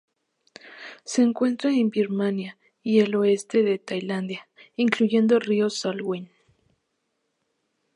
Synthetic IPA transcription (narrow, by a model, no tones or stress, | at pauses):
seːŋkwe̞nt̪ɾaembiɾmanja | ieloest̪eðet̪ajland̪jaiŋkluʝe̞nd̪oriosalɣwen